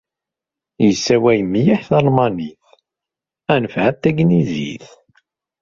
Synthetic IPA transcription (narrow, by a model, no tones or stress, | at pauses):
jəsːæwæjəmːijiħθɑlmɑniθ | ænəfʕæt̪ːæɡnizḭθ